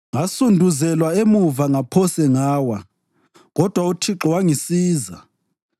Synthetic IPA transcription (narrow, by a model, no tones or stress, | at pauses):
ŋasundʱuzɛlwaemuvaŋapʰɔsɛŋaːwa | ɣɔd̥ʱwautʰiǁɔwaŋisiːza